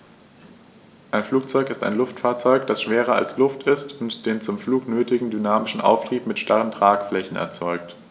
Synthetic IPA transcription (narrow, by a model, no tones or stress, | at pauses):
ʔaɪnfluːk̚t͡sɔʏkɪsta̰ɪnlʊftfaːɐt͡sɔʏkd̥asʃv̥eːʁɐa̰lslʊftɪstʊntd̥eːnt͡sʊmfluːknøːtɪɡŋ̩dynaːmɪʃn̩ʔa̰ʊftʁ̥iːpmɪtʃtaʁəntʁ̥aːkflɛçn̩ʔɛ̰ɐt͡sɔʏkt